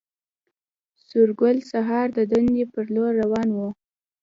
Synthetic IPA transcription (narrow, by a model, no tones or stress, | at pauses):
sʊɾɡʊlsaɦɑɾd̪əd̪and̪epəɾloɾːawɑnwu